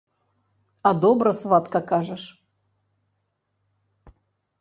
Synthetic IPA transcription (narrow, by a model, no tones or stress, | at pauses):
ad̪obɾəsvat̪kəkaʐɨʂ